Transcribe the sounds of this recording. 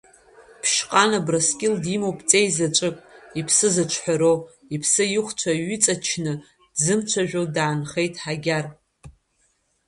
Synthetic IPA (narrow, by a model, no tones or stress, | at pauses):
pʰʃqʼanabraskʲʼɪldimowpʼt͡sʼejzat͡ʃʷʼɨkʼipʰsɨzɨt͡ʃʷʰħʷᶣaɾow | ipʰsɨjɪχʷt͡ʃʷʰaɥɪt͡sʼat͡ʃʰnɨ | dzɨmt͡ʃʷʰaʒᶣodaːnχejtʼħaɡʲar